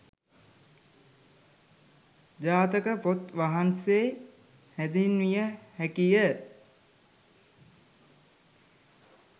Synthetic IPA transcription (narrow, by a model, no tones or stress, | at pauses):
d͡ʒaːt̪əkəpot̪ʋaɦanse | hæd̪inʋijəhækijə